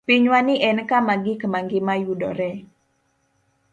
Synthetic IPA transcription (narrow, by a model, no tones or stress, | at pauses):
piɲwaniʔɛnəkamaɡikəmaŋɡimajudɔ̰ɾɛ